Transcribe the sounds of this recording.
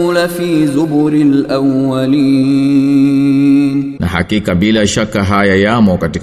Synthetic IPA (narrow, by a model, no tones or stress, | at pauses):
lafiːðʊbʊɾɪlʔawːaliː | nnʔa̰ɦa̰kikabilaʃakaɦajajamɔkatik